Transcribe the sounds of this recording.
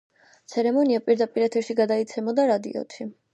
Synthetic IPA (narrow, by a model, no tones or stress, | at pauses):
t̪sʰɛɾɛmɔniapʼiɾd̪apʼiɾɛt̪ʰɛɾʃiɡad̪ait̪sʰɛmɔd̪aɾad̪ḭɔ̰t̪ʰi